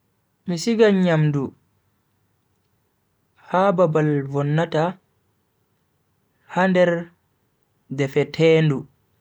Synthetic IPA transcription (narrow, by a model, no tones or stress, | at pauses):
misiɡaɲamdu | hababalvɔnːata | handɛɾ | dɛfɛtʰɛːndu